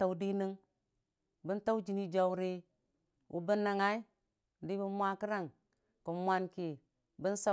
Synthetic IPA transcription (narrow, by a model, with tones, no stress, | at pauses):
a˨di˦ni˦ŋ | bi˦nta˦u˦d͡ʒi˨ni˦d͡ʒa˨wɾe˦ | ʔṵ˨bə˦nːa˨ŋa˦i˦˨ | di˦bi˦mʷa˦ki˦ɾa˦˨ŋ | ku˨mʷa˨nki˨ | bi˦n˦sa˦